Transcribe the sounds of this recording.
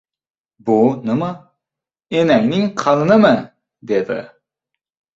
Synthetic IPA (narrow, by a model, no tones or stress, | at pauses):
bunɨmɑ | enæŋnɪŋqʰɑnnɨmɨ | d̪ed̪ɪ̰